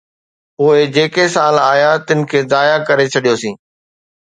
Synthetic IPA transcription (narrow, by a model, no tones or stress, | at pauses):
ʊɦed͡ʑeːkesaːlaːjat̪ɪnɪ̆kʰeːzaːjakɐɾet͡ɕʰɐɗijosĩː